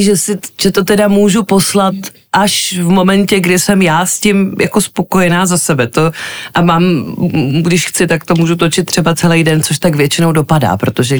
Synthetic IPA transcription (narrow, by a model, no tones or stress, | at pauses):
ʒɛsɪʒ̥ɛt̪o̞t̪ɛdamuːʒupo̞slat̪ | ʔaʃvmo̞mɛncɛɡdɪsɛmjaːscɪmjako̞spo̞kojɛnaːzasɛbɛt̪o̞ʔamaːm | ɡdɪʃxt͡sɪt̪akt̪o̞muːʒut̪o̞t͡ʃɪt̪ːr̝ɛbat͡sɛlɛjdɛnt͡so̞ʃt̪akvjɛt͡ʃɪnowdo̞pada̰ːpɾo̞t̪o̞ʒɛ